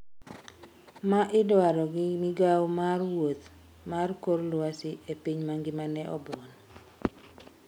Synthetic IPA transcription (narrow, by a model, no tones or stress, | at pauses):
maʔɪdwaɾɔɡɪmɪɡawmarwot̪ | markorlwasɪʔepiɲmaŋɡɪmanɛʔɔ̰bɔn